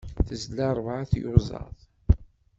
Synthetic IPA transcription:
θəzlɑɾˤvʕaθjʊzˤɑ̰ðˤ

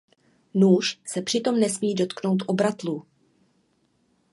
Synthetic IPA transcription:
nuːʃsɛpr̥ɪt̪o̞mnɛsmiːdo̞t̪kno̞wt̪ʔo̞bɾat̪luː

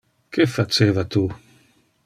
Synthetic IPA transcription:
kʰefat͡ʃeːvat̪u

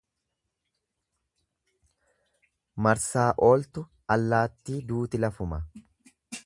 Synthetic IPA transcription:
mɐɾsaːʔo̞ːlt̪ʊ | ɐlːaːt̪ːiːd̪uːt̪ɪlɐfʊmɐ

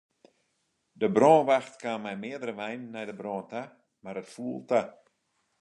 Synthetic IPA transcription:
dəbroːnʋaxtkaːnmɛjmɪədəɾəʋɛjnːɛjdəbrɔːnta | maɾətfuəlˠta

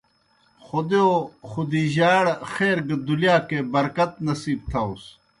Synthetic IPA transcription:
xod̪eoxud̪iːʑaːɽxeːɾɡd̪ulijaːkebɐɾkɐt̪nɐsiːb̚t̪ʰɐus

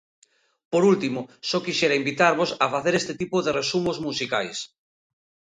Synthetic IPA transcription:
poɾult̪imosɔkiʃeɾaimbit̪aɾβosafaθeɾest̪et̪ipoðeresumozmusikajs

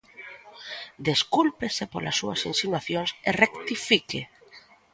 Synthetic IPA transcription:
d̪eskulpesepola̰sːuɐsinsinwaθjoŋserekt̪ifike

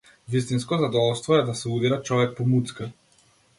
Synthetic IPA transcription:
vist̪inskɔzad̪ɔvɔlˠst̪vɔɛd̪asɛud̪iɾat͡ʃɔvɛk̚pɔmut̪ska

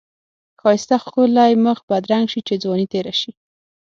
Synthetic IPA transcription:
kɑjɪst̪axkolajməxbad̪ɾaŋɡʃit͡ʃed͡zwɔnit̪eɾaʃi

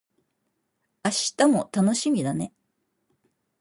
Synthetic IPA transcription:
aɕi̥t̪amo̞t̪ano̞ɕimʲid̪ane̞

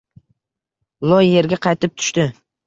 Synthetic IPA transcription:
lˠojːe̞ɾɡʲaqʰɑjt̪ʰɪp̚t̪ʰʊ̥ʃt̪ɪ

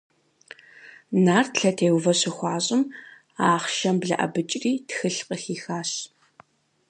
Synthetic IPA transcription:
naːrtɬɐtʰeːwvɐɕɪxʷɑːɕʼɪm | aːχʃɐmbɮɐ̰ʔɐ̰bɨt͡ʃʼriːtxɨɬqʼəxiːxaːɕ

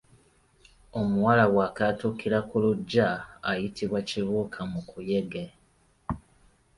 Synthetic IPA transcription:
o̞muwalawwaːkatukiɾakuluɟːaːjitiβwaciβuːkʰamukujeɡe

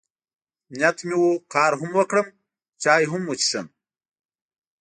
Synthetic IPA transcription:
njat̪miwokɑːɾɦʊmwəkɽəm | t͡ʃɑːjɦumwut͡ɕi̥ʃəm

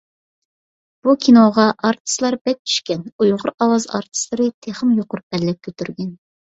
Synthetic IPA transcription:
b̥ukʲʰinoʁɑʔɑɾt̪ʰɨ̥slˠɑɾbɛk̚t͡ʃʰy̥ʃkʲɛnujʁʊɾɑwɑzɑ̰ɾt̪ʰɨ̥slˠɨɾɨt̪ʰeχəmjoqʊɾubɛlːɛp̚kʲʰøt̪ʰyɾɡʲɛn

